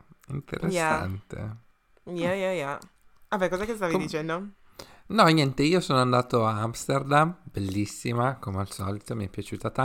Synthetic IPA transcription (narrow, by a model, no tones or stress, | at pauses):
int̪ḛɾʔesːaa̰nt̪ḛ | jajaja | abɛkɔzaɛkest̪avid̪it͡ʃɛnd̪o | nɔɲɛnt̪eiːosoːnoand̪aːt̪oaamst̪erd̪amb̥elːisːimakomealsɔ̰lit̪omiɛpːjat͡ʃuːt̪at̪a